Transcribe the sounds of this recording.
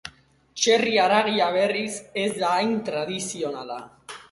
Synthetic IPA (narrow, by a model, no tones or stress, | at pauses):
t͡ʃe̞riaɾaɣiaβ̞e̞rise̞zd̪aːjnt̪ɾað̞isio̞nala̰